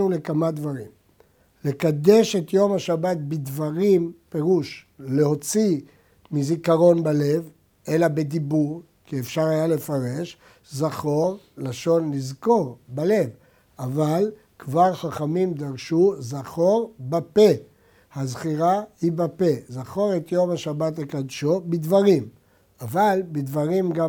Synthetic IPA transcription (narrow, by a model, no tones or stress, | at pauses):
nule̞kamad̪vaʁim | le̞kad̪e̞ʃe̞t̪jo̞mhaʃabat̪̚bid̪vaʁimpe̞ʁuʃle̞ho̞t͡si | mizikaʁo̞nbale̞v | ʔe̞labed̪ibuʁ | kiefʃaʁhajale̞faʁe̞ʃ | zaχo̞ʁ | laʃo̞nlizko̞ʁbale̞v | aval | kvaʁχaχamimd̪aʁʃuzaχo̞ʁbape̞ | hazχiʁahibape̞zaχo̞ʁet̪jo̞mhaʃabatlekad̪ʃo̞bid̪vaʁim | avalbid̪vaʁimɡa